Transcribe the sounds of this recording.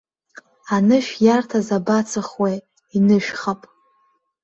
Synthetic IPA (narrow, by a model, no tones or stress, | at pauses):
anɨʃᶣjartʰazabat͡sʰɨχwej | inɨʃᶣχapʼ